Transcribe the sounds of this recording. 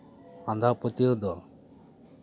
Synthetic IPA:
and̪ʱapɔt̪iod̪ɔ

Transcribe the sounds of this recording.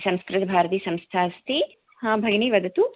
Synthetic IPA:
sɐ̃mskɾɪt̪ɐbʱaːɾt̪iːsɐ̃mst̪ʰaːst̪ʰi | hãːbʱɐjɳiːʋɐd̪ʱɐt̪u

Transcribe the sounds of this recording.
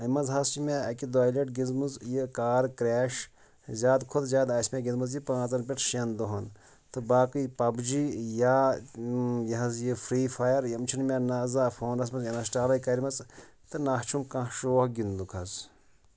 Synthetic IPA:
ɐmɐzɦɐst͡ʃimʲeɐkʲid̪aːjleʈɡʲizmɨzjikaːɾkɾɛːʃ | zʲaːd̪kʰod̪zʲaːd̪aːsmʲeɡʲizmɐzjipãːt͡sɐnp̬ʲiʈʰʃend̪oɦɐn | t̪ɨbaːkɨjpɐbd͡ʒijaː | jɐɦɐzjifɾiːfajɐɾjɐmt͡ʃʰinmʲenazaːfoːnɐs̬mɐzjɐnɐsʈaːlɐjkɐɾimɐt͡s | t̪ɨnaht͡ʃʰumkãhʃoːhɡind̪ukʰɐz

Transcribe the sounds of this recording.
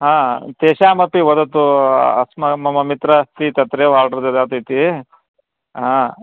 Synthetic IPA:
ɦãːt̪eːʃaːmɐpiʋɔd̪ɐt̪uɐ̰smɐmɐmɐmit̪ɾast̪it̪ɐt̪ɾeːʋaːɾɖɾɐd̪ed̪aːt̪it̪i | ɦãː

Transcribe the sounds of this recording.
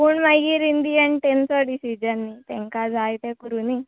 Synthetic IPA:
puːɳmaɡiːɾind̪iaɳʈensɔɖisid͡ʑənːit̪ẽŋkad͡zʱajt̪ekuɾuni

